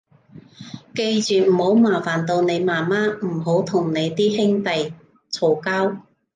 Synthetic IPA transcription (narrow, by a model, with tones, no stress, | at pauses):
ke˧jt͡ʃyː˨m̩˨˩ho˨˥wmaː˨˩faː˨˩nt̪o˧wne˨˧jmaː˨˩maː˥m̩˨˩ɦo˨˥wt̪ʰʊ˨˩ŋne˨˧jt̪iː˥hɪ˥ŋt̪ɐ˨j | t͡sʰo˨˩kaː˥w